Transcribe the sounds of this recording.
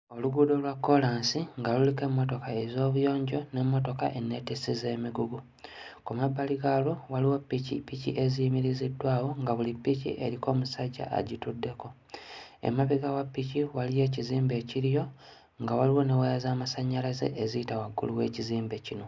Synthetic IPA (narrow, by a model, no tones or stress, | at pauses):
o̞luɡudo̞lwakːo̞laːnsiŋɡalulike̞mːo̞to̞kaezo̞ːβujo̞ːɲɟo̞ne̞mːo̞to̞ka̰ʔe̞nːe̞tisizeːmiɡuɡu | kumabːaliɡalowaliwopːicḭpicḭʔe̞zimiɾizidːwaːwo̞ŋɡaβulipːicḭʔe̞ɾiko̞ːmusaɟːa̰a̰ɟitudːe̞ko̞ | ḛmaβiɡawapːiciwalije̞ːciziːmbe̞ːciɾijo̞ | ŋɡawaliwo̞ne̞wajazaːmasaɲːalaze̞̰ʔezitawaɡːṵluwe̞ːciziːmbe̞cino̞